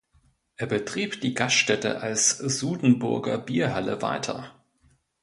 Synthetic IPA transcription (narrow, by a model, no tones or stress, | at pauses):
ʔeːɐbətʁ̥iːpd̥iːɡasʃtɛtə̰ʔalsz̥uːdn̩bʊɐɡɐbiːɐɦaləva̰ɪtʰɐ̰